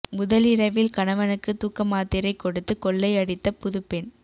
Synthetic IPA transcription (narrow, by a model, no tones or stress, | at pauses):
mʊðɐlɪɾɐʋɪlkɐɳɐʋɐnɯkːɯt̪uːkːɐmaːt̪ːɪɾɐɪkːɔɽɯt̪ːɯkɔɭːɐɪɐɽɪt̪ːɐpʊðɯpːɛn